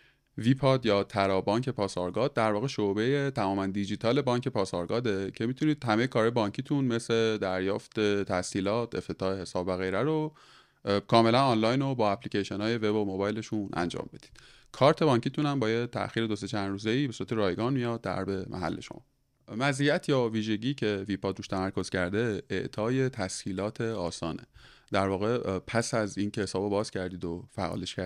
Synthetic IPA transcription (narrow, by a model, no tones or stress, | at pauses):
vipʰɒd̪jɒːt̪ʰæɾɒːbɒːŋcʰe̞pʰɒːsɒɾɡɒːd̪̚ːæɾvɒːɣe̞ʃobe̞je̞t̪ʰæmɒːmænd̪id͡ʒiːt̪ʰɒːle̞bɒːŋcʰe̞pʰɒːsɒɾɡɒːd̪e̞cʰe̞mit̪ʰuniːd̪̥hæme̞jekʰɒːɾɒːjebɒːɲcʰiːt̪ʰunme̞sle̞d̪æɾjɒːft̪et̪ʰæsiːlɒːt̪ʰe̞ft̪ʰe̞t̪ʰɒːhehe̞sɒːbvæɣejɾæɾo | kʰɒːme̞lænɑnlɒːjnobɒːæpʰlicʰeʃenɒːje̞ve̞bomobɒːjle̞ʃunʔæ̰nd͡ʒɒ̰ːmbe̞d̪̥i̥d̪̥ | kʰɒːɾt̪ʰe̞bɒːɲcʰit̪ʰunæmbɒːjet̪ʰːæ̰xiːɾe̞d̪o̞se̞t͡ʃʰænɾuːze̞iːbe̞suɾæt̪eɾɒːjɡɒːnmijɒːd̪ːæ̰ɾbe̞mʔæ̰ɦæ̰lːe̞ʃo̰mɒ̰ː | mæziːjæt̪ʰjɒːviːʒe̞ɟiːcʰe̞vipʰɒd̪ɾuːʃt̪ʰæmæɾko̞z̥cʰæɾd̪e̞eʔt̪ʰɒːje̞t̪ʰæshiːlɒːt̪ʰe̞ɒːsɒ̰ːnḛd̪̥æɾvɒːɣe̞pʰæsæziːnce̞hesɒːbobɒːz̥cʰæɾd̪iːd̪ofæ̰ʔɒ̰ːleʃkʰæɾ